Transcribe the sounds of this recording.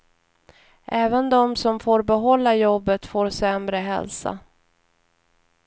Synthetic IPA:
ʔɛːvənd̪ɔmsɔmfoːɾbɛɦɔlːajɔbːət̪foːɾsɛmɾəɦɛ̰lsa̰

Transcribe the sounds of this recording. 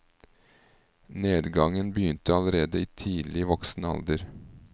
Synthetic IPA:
neːd̪ɡɑŋənbəjʏnt̪əɑləɾeːd̪əiːt̪ʰiːlɪʋɔksn̩əɑ̰ld̪əɾ

